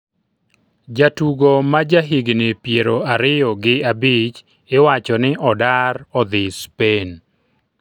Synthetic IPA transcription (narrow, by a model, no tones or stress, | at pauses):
d͡ʒatuɡomad͡ʒaɦiɡnepjeɾoaɾɪjɔɡɪabɪt͡ʃ | ɪwat͡ʃɔnɪʔɔdaɾɔd̪ɪspen